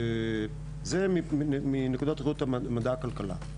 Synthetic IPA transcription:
zemiminekud̪ot̪ʁeut̪amad̪aːkalkala̰

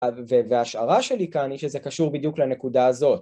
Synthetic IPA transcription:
veveaʃaʁaʃelikanhiʃezekaʃuʁbid̪juklane̞kudaːzo̞t

